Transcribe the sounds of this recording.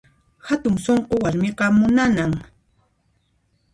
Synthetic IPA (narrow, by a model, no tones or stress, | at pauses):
hat̪ʊŋsoɴqowaɾmɪqɑmʊnanaŋ